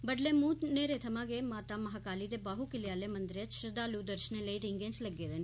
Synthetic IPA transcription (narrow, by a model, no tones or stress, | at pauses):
bəɖleːmuːt̪neːɾeːt̪ʰəmãːɡeːmaːt̪aːməɦaːkaːliːd̪eːbaːɦuːkɪlɪjaːleːmənd̪ɾjət͡ʃʃəd̪aːluːd̪əɾʃəneːləiːɾɪŋɡẽːnt͡ʃləɡeːɾɛːn